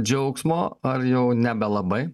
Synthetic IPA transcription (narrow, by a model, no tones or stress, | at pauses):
d͡ʒʲɛʊksmoːɐɾjɛʊnʲɛbʲɛlˠɐbɐɪ